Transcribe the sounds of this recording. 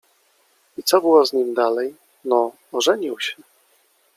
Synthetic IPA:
it̪sɔbɘwɔzɲimd̪alɛj | nɔː | ʐɛɲiwɕɛ̥

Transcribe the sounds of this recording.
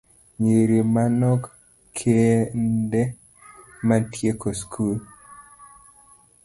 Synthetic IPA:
ɲeɾimanɔk | kʰendɛ | mantjekoskʰul

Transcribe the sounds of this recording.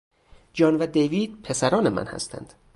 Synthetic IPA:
d͡ʒɒːnvæd̪ejviːd̪̥̚pʰe̞sæɾɒːnemæ̰nhæ̰st̪ʰæ̰nd̪̥

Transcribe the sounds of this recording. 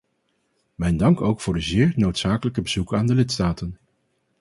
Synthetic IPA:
mɛjndɑŋkowkfʊːɹdəzɪːɹnowtsaːkələkəbəz̥ukaːndəlɪtstaːtən

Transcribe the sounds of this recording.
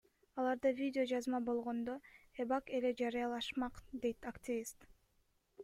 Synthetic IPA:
ɑlˠɑɾd̪ɯvʲidʲɪo̞d͡ʒɑzmɑbo̞lˠʁo̞nd̪oebɑke̞le̞d͡ʒɑɾɯjɑlˠɑʃmɑqd̪e̞jt̪akt̪ʲɪvʲist̪

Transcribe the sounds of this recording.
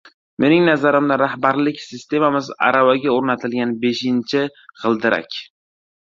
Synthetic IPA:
mʔe̞nɪŋnazaɾɪmd̪aɾahbaɾlɪkʲsɪst̪ʰe̞mamɪza̰ɾavaɡʲaoɾnat̪ʰɪlɡʲanbe̞ʃɪnt͡ʃʰɪʁɨlˠd̪ɪɾʔa̰kʲ

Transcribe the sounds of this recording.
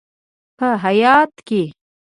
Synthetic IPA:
pəɦajɑːt̪ke

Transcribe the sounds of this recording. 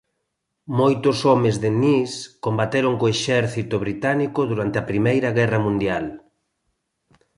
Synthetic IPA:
mojt̪ʊsɔmezðeniskombat̪eɾoŋkoeʃɛɾθit̪ʊβɾit̪anikʊðuɾant̪eɐpɾimejɾɐɣɛrɐmũnd̪jal

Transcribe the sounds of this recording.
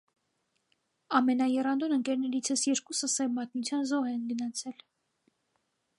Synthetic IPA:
ɑmɛnɑjɛrɑnd̪ɔnəŋkɛɾnɛɾit͡sʰəsjɛɾkusəsɛvmɑt̪̚nut͡sʰjɑnzɔɦɛnɡənɑt͡sʰɛl

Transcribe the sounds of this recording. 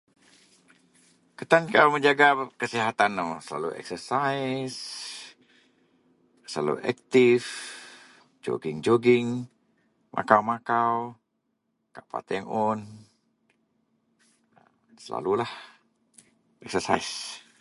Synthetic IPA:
kət̪ankawməɲd͡ʒaɡakəsiɦat̪anːosəla̰lṵɛ̰ksəsais | səla̰lṵʔɛk̚t̪if | d͡ʒo̰ɡiŋd͡ʒoɡiŋ | mʔa̰kawmakaw | kaʔpa̰t̪ɛŋɔn | səla̰lulah | ɛk̚səsa̰is

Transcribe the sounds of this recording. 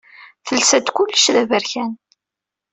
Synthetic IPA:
θəlsæt̪kʊlːəʃðævəɾçæn

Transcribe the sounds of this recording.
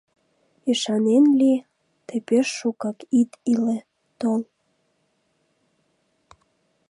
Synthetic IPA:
iʃɑnenli | t̪epeʃːukɑkit̪ile | t̪ol

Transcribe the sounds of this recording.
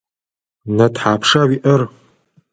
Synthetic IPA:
natʰħapʰʂaɥiʔər

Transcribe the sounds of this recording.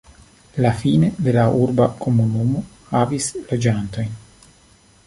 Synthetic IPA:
lafined̪e̞laʔuɾbakomunumo | havislo̞d͡ʒant̪o̞jn

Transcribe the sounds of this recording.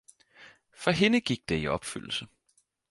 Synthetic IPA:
fɒɦe̝nəɡ̥iɡ̥̚d̥eiɒ̽b̥fy̰l̰l̩sə

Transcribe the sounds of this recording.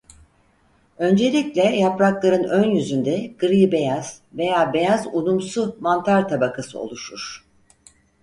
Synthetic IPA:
ø̞nd͡ʒe̞lʲiclʲɛjapɾaklˠaɾɯnønjyzynd̪ɛɡ̥ɯɾɯjibe̞jaz̥ve̞jaːbe̞jazunumsumant̪ʰaɾt̪ʰabakʰasɯ̰o̞̰lˠuʃuɾ̥

